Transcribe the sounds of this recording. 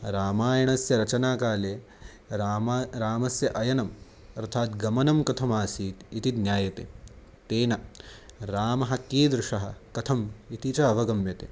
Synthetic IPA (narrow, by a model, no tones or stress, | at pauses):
ɾaːmaːjɐɳɐsjɐɾɐt͡ʃɐnaːkaːleː | ɾaːmɐsjɐʔɐjɐnɐm | ɐɾt̪ʰaːt̪ɡɐmɐnɐmkɐt̪ʰɐmaːsiːt̪it̪id̪nʲjaːjɐt̪ḛ | t̪eːnɐɾaːmɐɦɐkːiːd̪ɾɪʂɐɦɐ̆kɐt̪ʰɐmit̪it͡ʃɐɐʋɐɡɐmjɐt̪eː